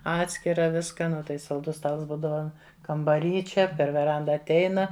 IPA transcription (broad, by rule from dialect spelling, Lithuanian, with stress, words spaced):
ˈɑːtʲsʲkʲɪrɐ ˈʋʲɪskɐ ˈnʊ tɐɪ sɐlˠˈdʊs ˈstɐlˠs ˈbuːdɐʋɐ kɐmbɐˈrʲiː ˈt͡ʃʲɛ pʲɛr ʋʲɛˈrɐndɐ ɐtʲˈɛɪnɐ